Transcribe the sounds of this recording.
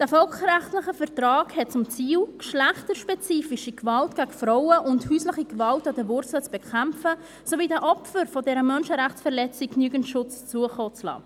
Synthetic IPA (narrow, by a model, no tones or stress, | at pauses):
d̥æfɔlkræχtləχəfɛɾtɾɑːkhɛt̚t͡sʊmt͡siːlkʃlæχtəɾʃpɛt͡siːfiʃikvɑltɡ̥aɡfɾɔʊəʔʊnthyːsləχiɡvɑltɑdəvʊrt͡slət͡sb̥ɛkʰæmfə | soviːdæʔɔpfəɾfɔdɛɾəmœnʃəɾæχt͡sfɛɾlɛt͡sɪknyːɡən̩ʃʊt͡st͡suəχoːt͡slɑ̰ː